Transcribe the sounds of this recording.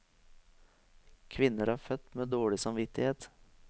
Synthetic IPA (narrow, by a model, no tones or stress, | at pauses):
kʰʋɪnəɾɑːfœt̪meːd̪oːɭɪsɑmʋɪt̪ɪheːt̪